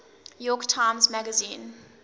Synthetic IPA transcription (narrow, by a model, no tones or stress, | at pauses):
jɔktʰãɪ̃mzmæɡəzĩːn